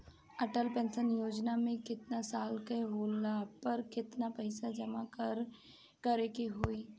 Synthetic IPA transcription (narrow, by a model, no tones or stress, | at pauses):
ɐʈəlpɛ̃ːnsənjoːd͡ʒnamẽkɪt̪nasaːlkəɦoːlapɐɾkɪt̪napɐɪsad͡ʒɐmakɾ | kɐɾekeɦoːiː